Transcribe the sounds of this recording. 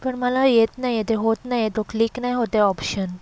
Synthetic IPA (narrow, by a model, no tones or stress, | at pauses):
pɐɾmalaet̪najet̪eɦot̪najet̪okliknajɦot̪eɔpʃən